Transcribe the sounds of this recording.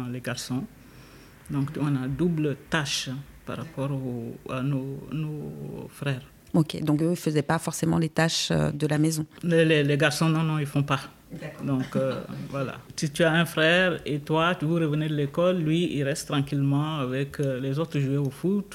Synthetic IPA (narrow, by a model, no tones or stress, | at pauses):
lɛɡaʁsɔ̃ | d̪ɔ̃kt̪yɔ̃nad̪ublət̪aʃpa̰ʁapɔʁoa̰nonofʁɛːʁ | okʲḛd̪ɔ̃køilfəzɛpafɔʁsemɑ̃let̪aʃø̰d̪əlamɛzɔ̃ɛlɛlɛɡaʁsɔ̃nɔ̃nɔ̃ilfɔ̃pa | d̪ɔ̃kvwala̰sit̪yaɛ̃fʁɛʁet̪wat̪yvuʁəvəned̪əlekɔlːɥiḭlʁɛst̪ːʁɑ̃kilmɑ̃avɛklɛzot̪ʁəʒueofut̪